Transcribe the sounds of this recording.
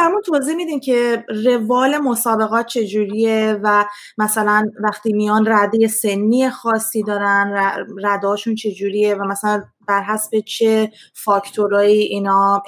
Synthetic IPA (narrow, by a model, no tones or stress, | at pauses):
fæɾmuːd̪̚t̪ʰozihmid̪imcʰe̞re̞vɒːle̞mosɒːbe̞ɣɒːt̪̚t͡ʃʰe̞d͡ʒuɾije̞væ | mæsælænvæxt̪iːmijɒnræd̪ejese̞nːiːe̞xɒːsːiːd̪ɒːɾænræd̪ɒːʃuːnt͡ʃʰe̞d͡ʒuːɾievæmæsælænb̥æɾɦæsbe̞t͡ʃʰefɒːct̪ʰoɾɒːiːʔiːnɒː